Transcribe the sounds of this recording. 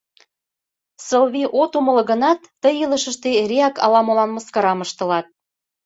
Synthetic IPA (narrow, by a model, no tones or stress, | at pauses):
səlβiʔot̪umə̆lɤ̆ɣənɑt̪ːəjələ̆ʃə̆ʃt̪erʲeɑkɑ̰lɑmolɑnməskɑɾɑməʃt̪ə̆lɑt̪̚